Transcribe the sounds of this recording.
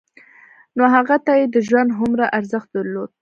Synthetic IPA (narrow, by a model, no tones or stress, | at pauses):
noɦaɣat̪ajed̪əʒwand̪ɦʊmɾaʔaɾzəxt̪̚d̪əɾlod̪̥̚